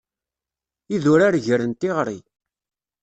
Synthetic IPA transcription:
iðuɾaɾʝəɾənt̪iʁɾi

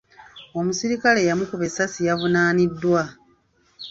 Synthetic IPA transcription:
o̞musiɾikale̞jamukuβe̞sasijavunaːnidːwa

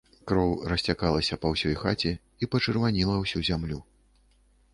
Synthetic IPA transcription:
kɾɔwrɐsʲt͡sʲakalˠɐsʲɐpɐwsʲɔjxat͡sʲi | ipɐt͡ʂɨrvanʲilˠɐwsʲuzʲamlʲu

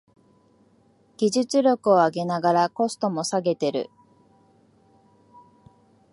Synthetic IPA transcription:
ɡ̥ʲiʑɨt͡sɨɾʲjo̞kɯ̟o̞aɡe̞naɡaɾako̞sɨ̥t̪o̞mo̞saɡe̞t̪e̞ɾɯ̟̰

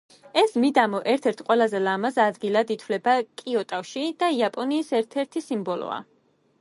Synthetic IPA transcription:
ɛsmid̪amɔʔɛɾt̪ʰɛɾt̪ʰqʼwɛlˠazɛlamazad̪ɡilˠad̪it̪ʰwlɛbakʼiɔt̪ʼafʃid̪̥aiapʼɔniːsɛɾt̪ʰɛɾt̪ʰisimbɔlˠɔ̰a̰

